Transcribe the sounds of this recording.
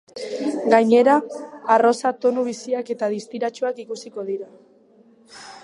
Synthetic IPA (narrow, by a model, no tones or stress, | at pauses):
ɡaɲe̞ɾaːro̞sat̪o̞nuβisiake̞t̪aðist̪iɾat͡ʃuakikusiko̞ðiɾa